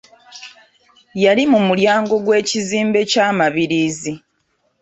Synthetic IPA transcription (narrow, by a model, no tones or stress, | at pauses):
jalimumuljaːŋɡo̞ɡwe̞ːciziːmbe̞caːmaβiɾiːzi